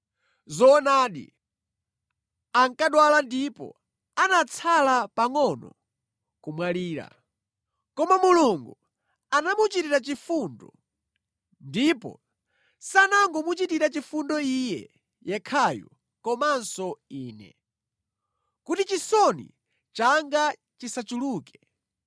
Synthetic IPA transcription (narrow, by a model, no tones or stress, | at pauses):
zɔːnaːɗḭ | aŋkaɗwalandipɔ̰ | anat͡sʰalapaŋɔnɔ | kumwaliːɾa̰ | kɔmamuluŋɡu | anamut͡ʃitiɾat͡ʃifundɔ | ndipɔ̰ | sanaŋɡɔmut͡ʃitiɾat͡ʃifundɔijɛ̰ | jɛkʰajɔ̰ | kɔmansɔiːnɛ̰ | kutit͡ʃisɔnḭ | t͡ʃaŋɡa | t͡ʃisat͡ʃuluːkɛ̥